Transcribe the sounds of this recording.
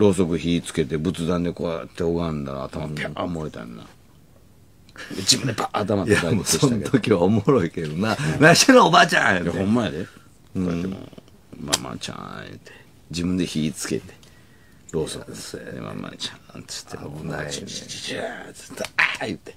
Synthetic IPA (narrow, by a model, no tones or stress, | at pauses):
ɾo̞ːso̞kɯçiːt͡sɨ̥ke̞t̪e̞bɯ̟t͡sɨd̪ãnd̪ekoat̪ːeoɡãnd̪a̰ːt̪amapiamoet̪a̰nːa̰ | ed͡ʑibɯ̃nd̪pʰaːt̪amat̪ːkaeoseket̪okʲiβaomoɾoiked̪onanãɕenoobaːt͡ɕã̰jatjahõ̞mːaed̪e | oaemo̰ | ma̰ma̰t͡ɕã̰jɯ̟t̪ʰe | d͡ʑibɯ̃nd̪e̞çiːt͡sɨ̥ke̞̰t̪e̥ | ɾoːsok̪ḛma̰ma̰t͡ɕant͡sɨ̥t̪ʰːemo | t͡st̪ajɯt̪e̥